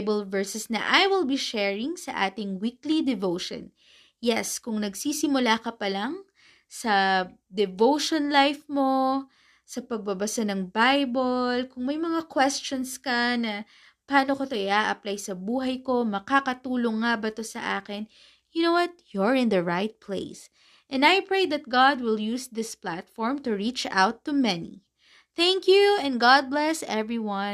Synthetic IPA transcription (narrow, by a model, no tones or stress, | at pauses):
bɐlvɛɹsɛsnɐ̰ʔajwɪlbiʃɛɹɪŋsɐʔaːt̪ɪŋwiklid̪ɛvowʃɔ̰n | jɛskʊŋnɐɡsiːsɪmʊlaːkɐpɐlaŋ | sɐd̪ɛvowʃonlajfmo̞ | sɐpɐɡ̚bɐbɐsanɐŋbajbolkʊŋmɐjmɐŋakwɛst͡ʃonskɐnɐ | paːnokot̪oɪʔaʔɐplajsɐbuːɦɐjko̞mɐkakɐt̪uːloŋːabɐt̪o̞sɐ̰ʔa̰ːkɪn | jʊnowɐt̪̚jɔɹɪ̃nd̪ɐɹaɪt̪̚pʰlḛɪs | ʔɛ̃najpɹeɪd̪ɐt̪̚ɡɑd̪̚wɪljusd̪ɪsplat̪fɔɹmt̪ʊɹit͡ʃa̰wt̪ːumɛnḭ | θæŋkjuɛ̃nɡɑd̪̚blɛsɛvɹiwɐ̃n